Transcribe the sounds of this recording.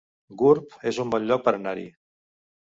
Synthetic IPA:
ɡuɾpezumbɔnʎɔk̚pəɾənaɾḭ

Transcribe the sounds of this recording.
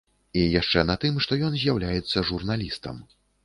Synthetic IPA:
ijaʂt͡ʂɛnɐt̪ɨmʂt̪ɔjɔnzʲjawlʲajɛt̪sːɐʐurnalʲist̪ɐ̰m

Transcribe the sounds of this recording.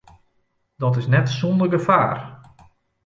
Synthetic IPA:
dɔtɪsnɛtsondərɡəfaːr

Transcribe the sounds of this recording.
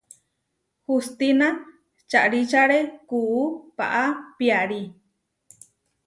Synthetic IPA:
hust̪ina | t͡ʃaʔɾit͡ʃaɾekuːpa̰ʔapiaɾi

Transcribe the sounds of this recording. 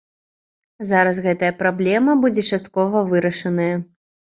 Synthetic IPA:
zaɾɐsɣɛt̪ɐjɐpɾablʲɛmɐbud͡zʲɛt͡ʂast̪kɔvɐvɨɾɐʂɐnɐjɐ

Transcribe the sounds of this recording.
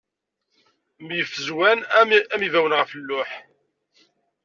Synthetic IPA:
mjəfəzwænæmivæwənʁəfəlːʊħ

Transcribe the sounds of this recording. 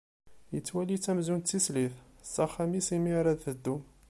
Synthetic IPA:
jət͡sːwælit͡sːæmzunt͡s̪ːisliθsːɑχæmisimiɾˤæðθəd̪ːum

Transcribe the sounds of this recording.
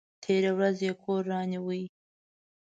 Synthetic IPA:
t̪ʰeɾewɾazjekʰoɾːɑniwə

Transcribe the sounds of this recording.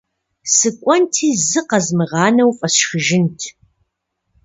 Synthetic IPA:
sɨkʷʼɔntʰiːzɨqɐzmɨʁɑːnɐwfʼɐsxɨʒɪntʰ

